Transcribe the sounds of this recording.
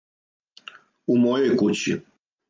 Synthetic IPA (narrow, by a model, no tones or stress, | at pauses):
umojojkut͡ɕi